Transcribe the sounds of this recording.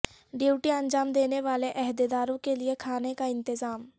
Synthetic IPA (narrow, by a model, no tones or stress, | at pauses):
ɖiuːʈiə̃nd͡ʒaːmd̪eːneʋaːleʔɛɦd̪ed̪aːɾõkelɪekʰaːnekaɪ̃nt̪ɪzaːm